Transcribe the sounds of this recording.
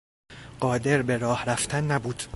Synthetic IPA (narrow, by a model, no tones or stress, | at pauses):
ɢ̥ɒːd̪e̞ɾbe̞ɾɒːhɾæft̪ʰænːæbuːd̪̥